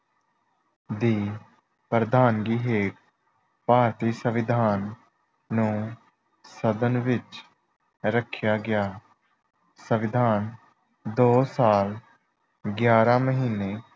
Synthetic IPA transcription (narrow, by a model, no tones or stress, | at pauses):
d̪iː | pɾəd̪aːnɡiːɦeːʈ | paːɾt̪iːsəʋɪd̪ʱaːnː | ũː | səd̪ənʋɪt͡ʃ | ɾəkʰːjaːɡɪjaː | səʋɪd̪ʱaːn | d̪oːsaːl | ɡjaːɾãːməɦiːneː